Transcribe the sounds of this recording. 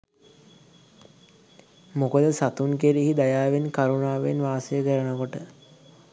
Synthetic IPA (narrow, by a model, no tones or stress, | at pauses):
mokəd̪əsat̪unkeɾiɦid̪ajaːʋenkaɾunaːʋenʋaːsəjəkəɾənəkoʈə